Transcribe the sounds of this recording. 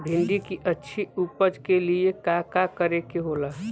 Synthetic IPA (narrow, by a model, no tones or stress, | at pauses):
bʱɪ̃nɖikiʔətːʃʰiupəd͡ʒkeliekakakəɾekeɦolaːɦ